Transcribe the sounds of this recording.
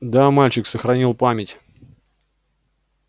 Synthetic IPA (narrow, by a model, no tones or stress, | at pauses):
d̪amalʲt͡ɕɪksəxɾɐnʲilˠpamʲɪtʲ